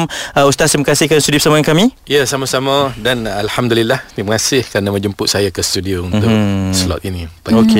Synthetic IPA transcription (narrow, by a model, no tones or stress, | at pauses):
məust̪asiməkasihkanst̪udiopsamankamĩ | jasaməsamədanalhamd̪ulilːahniməŋasɪhkɾanamə̃ɲd͡ʒəmpʊʔ̚sajakəst̪udiount̪ʊkslɔ̰t̪inĩpaoke